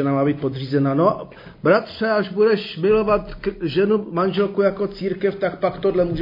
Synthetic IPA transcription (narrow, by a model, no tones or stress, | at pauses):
ɛnamaːbiːt̪̚po̞d̪r̝iːzɛnano | bɾat̪r̝̥ɛaʒbudɛʃmɪlo̞vat̪kʒɛnumanʒɛlkujako̞t͡siːɾkɛft̪akpakt̪odlɛmuːʒ